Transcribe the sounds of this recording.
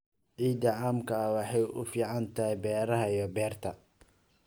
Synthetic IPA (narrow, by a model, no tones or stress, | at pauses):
ʕiːd̪ɐʕaːmkʰɐɐwɑħɑjʔʊfiːʕɑnt̪ʰɐhɛbɛːɾɐɦɐijɔbɛːrt̪ʰɐ